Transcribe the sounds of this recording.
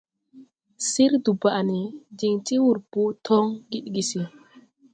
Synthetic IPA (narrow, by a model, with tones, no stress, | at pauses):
si˦ɾdu˨ba˨ʔni˨d͡ʒi˨ŋti˦wu˨ɾpu˦tʰɔ˦ŋɡi˦ɗɡi˨si˨